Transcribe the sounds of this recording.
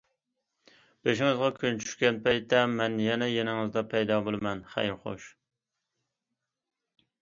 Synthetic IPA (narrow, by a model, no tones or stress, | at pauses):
b̥eʃɪŋɨzʁɑkʲʰynt͡ʃʰy̥ʃkʲɛnpʰɛjt̪ːɛmɛnjɛnɛjenɪŋɨzd̪ɑpʰɛjd̪ɑbolˠɨmɛnχæ̰jɾχo̰ʃ